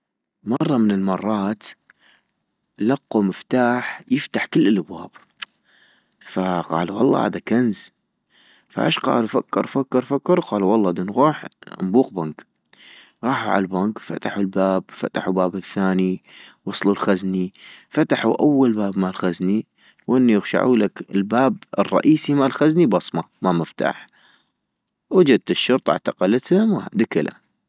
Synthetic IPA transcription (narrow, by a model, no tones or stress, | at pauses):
mɑrˤːɑmɪnɪlmɑrˤːɑːt̪ | lɑqːumɪft̪aːħjɪft̪aħkɪlːɪlʔabwa̰ːb̥ | faqɑ̰ːluwɑlˤːɑ̰ːha̰ːd̪akanz | fa̰ʔḛːʃqɑ̰ːlufakːɑɾˤfakːɑɾˤfakːɑɾˤqɑːluwɑlˤːɑːd̪ɪnɣuːħmbuːqbaŋk | ɣɑːħuʕa̰lbaŋkfa̰t̪aħulbaːbfa̰t̪aħubaːbɪθːaːniwɑsˤlulxaznifat̪aħuʔawːalbaːbmalxazni | wʔɪnːijɪɣʃa̰ʕuːlakɪlbaːb̚ɨ̰rˤːɑ̰ʔiːsimalxaznibɑsˤmɑ | maməft̪a̰ːħ | wad͡ʒad̪̚t̪ɪʃːʊɾt̪ˤʔa̰ʕt̪aqɑlt̪hʊmwad̪ɪkɪla̰